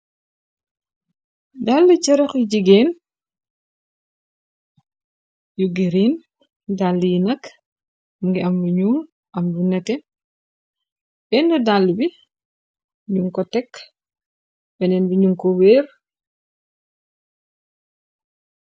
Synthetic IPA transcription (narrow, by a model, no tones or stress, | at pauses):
dalːut͡ʃɐɾɔkiɟiɡɛːn | juɡiɾiːn | dalːujinɐk | muŋɡiɐmbuɲuːn | ʔɐmbunɛtɛ | bɛndɔdalːubi | ɲuŋkɔtɛk | bɛnɛnbiɲuŋkɔwɛːɾ